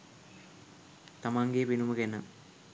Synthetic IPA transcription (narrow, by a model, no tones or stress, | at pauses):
t̪amaːŋɡejpinumɐkenə